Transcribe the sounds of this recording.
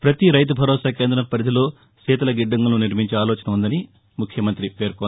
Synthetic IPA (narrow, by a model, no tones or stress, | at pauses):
pɾɐt̪iɾɐjt̪̬ubʱɐɾɔːsaːkeːnd̪ɾɐnɐpɐɾid̪ilo̞ː | sɛːt̪ɐlɐɡiɖːɐŋɡɐnuniɾmiɲt͡ʃeaːlɔːt͡ʃɐnɐund̪ɐni | mukʰjɐmɐnt̪ɾipe̞ːɾko